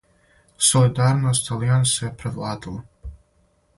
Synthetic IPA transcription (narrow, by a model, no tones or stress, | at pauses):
solid̪aːɾnost̪alijansajepɾeʋlˠaːd̪ilˠa